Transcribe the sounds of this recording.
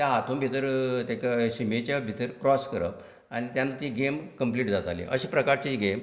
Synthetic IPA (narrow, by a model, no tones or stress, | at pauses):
t̪jaɦat̪ʰũmbʱit̪əɾt̪akɕimet͡ɕjabʱit̪əɾkɾɔskəɾə̰p | añit̪janːat̪iːɡemkəmpliːʈd͡zat̪alḭʔə̰ɕiːpɾəkaɾt͡siɡem